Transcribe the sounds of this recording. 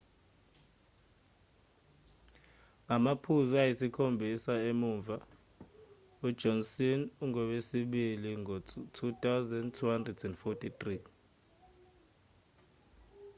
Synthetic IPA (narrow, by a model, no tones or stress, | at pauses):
ŋamapʰuzɔajisikʰombʱisaemuːɱva | udd͡ʒ̥ʱɔnsinuŋɔwesiɓiliŋɔtʰutʼawzɛndtʰuhandrɛdɛndfɔtʰʼit̪ri